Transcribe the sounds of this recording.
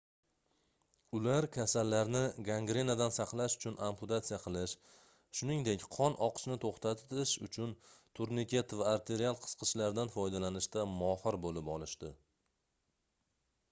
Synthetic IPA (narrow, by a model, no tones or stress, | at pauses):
ʊlaɾkʲʰasalːaɾnɪɡaŋɡɾe̞nad̪ansɑqlˠaʃʊ̥t͡ʃʰʊnʔampʰʊt̪at̪sijaqʰɨlˠɪʃ | ʃʊnɪŋd̪e̞kʲqʰɒnʔɒqʰɨ̥ʃnɪt̪ʰoχt̪ʰat̪ɪʃʊ̰t͡ʃʰʊnt̪ʰʊɾnɪkʲe̞t̪vaːɾt̪ʰe̞ɾialˠqʰɨ̥sqʰɨʃlaɾd̪anfɒjd̪alanɪʃt̪amɒhɨɾbolɪpɒlˠɪʃd̪ɪ